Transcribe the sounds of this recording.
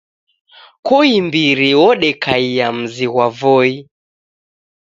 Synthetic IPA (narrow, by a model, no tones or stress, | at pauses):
kɔimbiɾiwɔɗɛkaiam̩ziɣwavɔi